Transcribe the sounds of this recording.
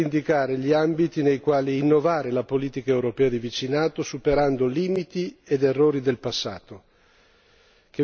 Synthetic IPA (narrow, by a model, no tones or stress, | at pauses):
ind̪ikaːɾeʎiambit̪inejkwaːliːnːovaːɾelapoliːt̪ikaewɾopɛːad̪ivit͡ʃinaːt̪osupeɾand̪oliːmit̪ied̪erːoːɾid̪elpasːa̰ːt̪o | k̟e